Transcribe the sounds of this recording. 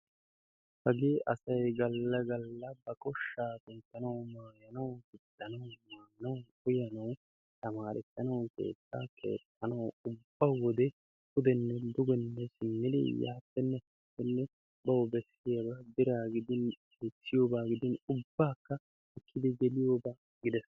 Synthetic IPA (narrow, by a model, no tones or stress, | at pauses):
hɐɡeːʔɐsɐjɡɐlːɐɡɐlːɐbɐkʼɔʃːaːkɪnt̪ːɐnɐwmaːjɐnɐwkɪd̪ːɐnɐwmaːnɐwkʊjɐnɐw | t̪ɐmaːɾɛt̪ːɐnɐwke̞̰ːt͡sːa̰ːkʰḛːt̪ʼːɐnɐwʊbːawɔd̪ɛ | kʊd̪ɛnːɛd̪ʊɡɛnːɛsɪmːɪd̪ɪ̰ja̰ːt̪ːɛnːɛkɪt̪ːɛnːɛ | bɐwbɛsːɪjɐbɐbɪɾaːɡɪd̪ɪn | eːt͡sːɪjo̞ːbaːɡɪd̪ɪnʊbːaːkːɐ | ɪkːɪd̪ɪɡɛlɪjoːbaː | ɡɪd̪ɛs